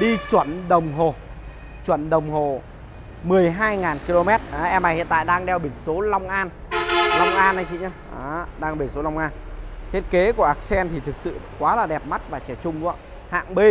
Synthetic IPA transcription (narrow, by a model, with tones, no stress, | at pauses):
ɗi˧t͡ɕwə˧˩nɗə˨˩wŋ͡mɦo˨˩ | t͡ɕwə˧˩nɗə˨˩wŋ͡mɦo˨˩ | mɨ˨˩əjɦaː˧jŋaː˨˩nki˧lo˧mɛ˦˥t̚ʔaː˨˦ʔɛ˧mna˨˩jhḭ˧˨nt̪a̰ː˧˨jɗaː˧ŋɗɛ˧wɓi˧˩nso˨˦la˧wŋ͡mʔaː˧n | la˧wŋ͡mʔaː˧na˧jt͡ɕḭ˧˨ɲaː˧ʔaː˨˦ɗaː˧ŋɓi˧˩nso˨˦lwŋ͡mʔaː˧nt̪ʰi˦˥ət̚ke˨˦ku˧˩əʔaː˦˥k̚sɛ˧nt̪ʰi˨˩t̪ʰɨ˨˩k̚sɨ̰˧˨kwaː˨˦laː˨˩ɗɛ˨˩p̚ma˦˥t̚vaː˨˩t͡ɕɛ˧˩t͡ɕʊ˧ŋ͡mkṵ˧˦ | ha̰ː˧˨ŋɓe˧